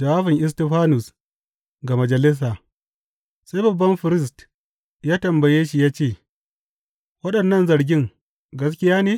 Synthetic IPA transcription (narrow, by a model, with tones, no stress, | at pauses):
d͡ʒa˨waː˦ɸɪ˨ŋʔɪ˦s̬tɛ˦ɸaː˦nʊ˨s | ɡa˨mɐ˨d͡ʒɐ˨lɪ˦s̬aː˨ | sa˦jbɐ˨bːɐ˦mɸɪ˨ɾɪ˦s̬t | jaː˦tɐ˨mbɐ˨jeː˦ʃi˦˨jaː˦t͡ʃeː˦˨ | wɐ˦ɗɐ˨nːɐ˦nzɐ˨ɾɡʲɪ˦ŋ | ɡɐ˦s̬kʲɪ˦jaː˦neː˦